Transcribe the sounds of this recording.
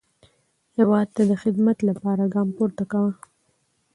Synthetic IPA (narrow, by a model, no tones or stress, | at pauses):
hewɑd̪̚t̪ad̪əxɪd̪mat̪lapɑɾaɡɑmpoɾt̪akawa